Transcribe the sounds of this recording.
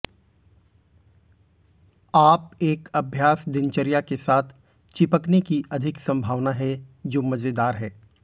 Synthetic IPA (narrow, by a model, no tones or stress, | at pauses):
aːp̚eːkɐbʱjaːsd̪ɪnt͡ʃəɾijakesaːt̪ʰ | t͡ʃɪpəknekiʔɐd̪ʱɪksɐ̃mbʱaːʋnaɦɛd͡ʒoːmɐd͡ʒed̪aːɾɦɛː